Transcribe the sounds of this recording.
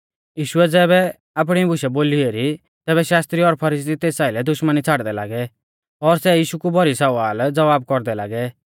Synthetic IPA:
jiːʃʊɛd͡zɛːbɛ | ap̬ɽ̃ibʱʊʃɛboːlieɾi | t̪ɛːβɛʃaːst̪ɾiɔɾpʰɐɾiːs̬it̪eːsaːɪlɛd̪ʊʃmənit͡sʰaːɽd̪ɛla̰ːɡɛ | ɔɾsɛjiːʃukubʱɔɾisɔʋaːld͡zɐʋaːbkɔɾd̪ɛla̰ːɡɛ

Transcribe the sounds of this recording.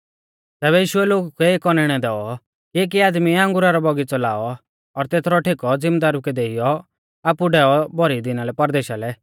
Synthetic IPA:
t̪ɛːbɛjiːʃʊɛloːɡukɛeːkɔnɪɽ̃ɛd̪ɛːɔ | kieːk̬iaːd̪miãŋɡʊɾaɾɔbɔɡit͡sɔla̰ːɔ | ɔɾt̪eːt̪ʰɾɔʈʰekɔd͡zɪ̃md̪aːɾukɛd̪eːijɔ | aːpuɖɛːɔbɔɾid̪ɪnalɛpɐɾd̪eːʃalɛ

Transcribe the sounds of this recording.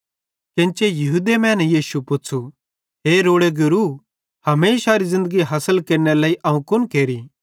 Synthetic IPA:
kɪ̃nt͡ʃejɐɦud̪emɛ̃ːnɛ̃jiːsupʊt͡sʰu | ɦeːɾoːɽeɡʊɾu | hɐmeːsaɾizɪ̃nd̪əɡiɦɐsəlkɐɾnelaːiʔɐũkʊnkeːɾi

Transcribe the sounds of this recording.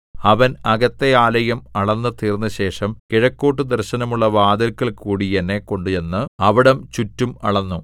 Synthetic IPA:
ɐʋɐnɐɡɐt̪ːe̞aːlɐjɐmɐɭɐnːɨt̪iːrnːɨɕe̞ːʂɐmkiɻɐkːoːʈ̬ːɨd̪ɐrɕɐnɐmuɭːɐʋaːd̪ɐlkːɐɭkuːɽijɐnːe̞ko̞ɳɖuenːɨɐʋiɽɐmt͡ɕutːumɐ̰ɭɐnːu

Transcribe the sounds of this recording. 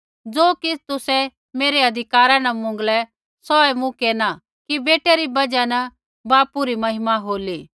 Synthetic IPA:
d͡zoːkɪst̪ʊsɛ | meːɾeɐd̪ʱɪkaːɾãnɐmʊ̃ŋɡlɛ | sɔɛmũkeːna | kibeːʈeɾibɐd͡ʒanɐ | baːpuɾimɐɦɪmaɦoːliː

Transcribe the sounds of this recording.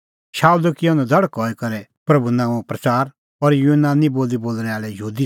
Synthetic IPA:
ʃaːud̪ukiʊ̃nɛd̪ʱɐɽəkɔːɛkɐɾɛ | pɾɐbunãːũpɾɐt͡saːɾ | ɔɾjunaːniboːld̪iboːlɽ̃ɛaːɭɛjɦuːd̪i

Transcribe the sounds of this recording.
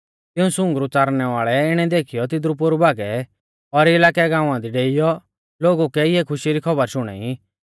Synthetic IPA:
t̪ɪũsʊ̃ŋɡɾut͡saːɾñɛʋaːɭɛɪɽ̃ɛd̪eːkʰijɔt̪̬ɪd̪ɾup̬ʊɾubaːɡɛ | ɔɾɪlaːkɛɡãːũãd̪iɖeːɪjɔ | loːɡukɛɪɦɛkʰʊʃiɾikʰɐbəɾʃʊɽ̃ɛ̰ːi

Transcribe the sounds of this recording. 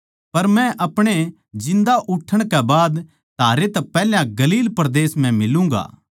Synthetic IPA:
pɐɾmɛ̃ʔɐpɽ̃e | d͡ʒɪ̃nd̪aʔʊʈʰːəɽ̃kɛbaːd̪ | t̪aːɾet̪ɐpɛːljãɡɐliːlpɾɐd̪eːsmɛ̃mɪlũŋɡa̰ː

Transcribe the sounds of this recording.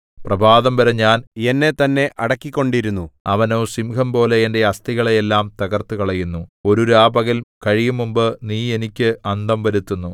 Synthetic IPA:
prɐbʱaːðɐmʋɐɾɐɲaːne̞nːe̞t̪ɐnːe̞ʔʔɐɽɐkːikʲːo̞ɳɖiɾunːuɐʋɐno̞ːsimkʰɐmpo̞ːle̞ende̞ɐst̪iɣɐɭeelːaːmt̪ɐɣɐrt̪ukɐɭɐjunːuo̞ɾuɾaːbɐɣilkɐɻijumːumbɨniːe̞nikʲːɨɐnd̪ɐmʋɐɾut̪ːunːu

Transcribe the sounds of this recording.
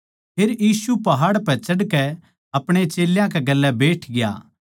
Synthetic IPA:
pʰeːɾjiːsupɐɦaːɽpɛt͡ʃɐɽkɛ | ɐpɽ̃et͡ʃeːljãkɛɡɐlːɛbeːʈʰɡɪja̰ː

